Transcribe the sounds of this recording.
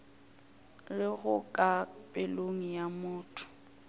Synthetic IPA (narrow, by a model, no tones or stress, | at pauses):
lɪɣʊkʼapʼɪloŋ̩jamʊːtʰʊ̥